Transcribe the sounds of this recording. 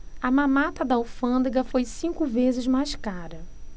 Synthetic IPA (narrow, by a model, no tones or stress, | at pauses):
ɐmãmat̪ɐd̪ɐwfɐ̃d̪eɡɐfojsĩŋkʊvezɪzmajskaɾɐ